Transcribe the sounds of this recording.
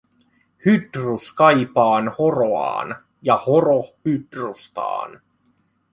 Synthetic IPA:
hyd̪ruskɑjpɑːnhoroɑ̰ːn | jɑhoɾohyd̪rust̪ɑ̰ːn

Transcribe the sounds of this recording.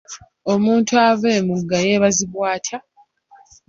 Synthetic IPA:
o̞muːntuaveːmuɡːaje̞ːβaziβwaːtʰa

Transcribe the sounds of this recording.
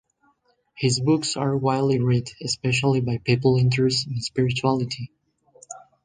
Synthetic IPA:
hɪzbʊksə˞waɪdˡliɹɪtɨspɛʃəl̩ˠibaɪpipl̩ˠɪ̃ntʰəɹsɪ̃nspɪɹɨt͡ʃuælˠɨtʰi

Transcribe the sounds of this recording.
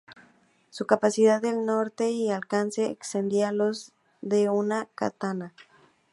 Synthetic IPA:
sukapasiðaðelnoɾt̪eialkanseḛkst̪end̪ialoz | ðeunaka̰t̪ana

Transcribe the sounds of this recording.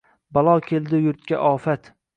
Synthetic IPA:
balˠɒkʲʰe̞ld̪ɪjʊɾt̪kʲaʔɒːfat̪

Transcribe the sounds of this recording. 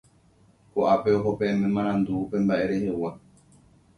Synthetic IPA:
koʔape̞o̞ɦo̞peemẽmãɾ̃ãnd̪uːpe̞mbaʔe̞ɾe̞he̞wa

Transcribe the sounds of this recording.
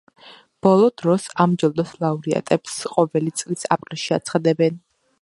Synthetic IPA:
b̥ɔlˠɔd̪ɾɔsamd͡ʒɔlˠd̪ɔslˠauɾia̰t̪ʼɛpsqʼɔvɛlit̪sʼlisa̰pʼɾilˠʃiat̪sʰχad̪ɛbɛn

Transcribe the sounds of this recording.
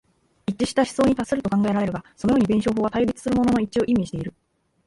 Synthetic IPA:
it͡ɕːiɕi̥t̪aɕi̥so̞ːɲ̟it̪asɨɾɯ̟t̪o̞kãŋɡae̞ɾaɾe̞ɾɯ̟ɡaso̞no̞jo̞ːɲ̟ibẽɕo̞ːɦoːβat̪aiɾʲit͡sɨ̥sɨɾɯ̟mo̞no̞no̞it͡ɕio̞ʔimʲːiɕi̥t̪e̞iɾɯ̟

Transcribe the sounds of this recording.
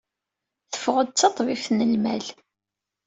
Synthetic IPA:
θə̥fʁəd̪̚t͡sːɑt̪ˤvifnəlmæl

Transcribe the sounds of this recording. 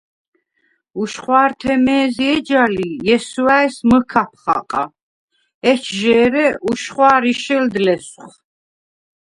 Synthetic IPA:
uʃχwaːɾt̪ʰɛmɛːziɛd͡ʒalijɛsuaɛsməkʰapʰχa̰qʼa̰ | ɛt͡ʃʰʒɛːɾɛʔuʃχwaːɾiʃɛld̪lɛsχ

